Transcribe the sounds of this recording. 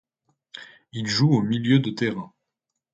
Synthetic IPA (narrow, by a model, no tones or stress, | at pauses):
ilʒuomiljød̪ət̪eʁɛ̃